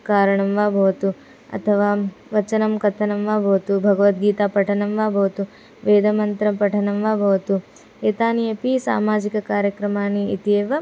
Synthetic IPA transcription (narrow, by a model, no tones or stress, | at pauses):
kaːɾɐɳɐmʋaːbʱɐʋɐt̪u | ɐ̰t̪ʰɐʋaːʋɐt͡ʃɐnɐmkɐt̪ʰːɐnɐmʋaːbʱɐʋɐt̪ubʱɐɡɐʋɐt̪̚ɡiːt̪aːpɐʈʰɐnɐmʋaːbʱɐʋɐt̪u | ʋeːd̪ʱɐmɐnt̪ɾɐpɐʈʰɐnɐmʋaːbʱɐʋɐt̪u | eːt̪aːnijɐpisa̰ːmaːd͡ʒikɐkaːɾjɐkɾɐmaːniit̪eːʋɐ